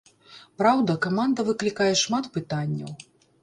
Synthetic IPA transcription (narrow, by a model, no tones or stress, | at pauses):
pɾawd̪ɐkamand̪ɐvɨklʲikajɛʂmat̪pɨt̪anʲːɐ̰w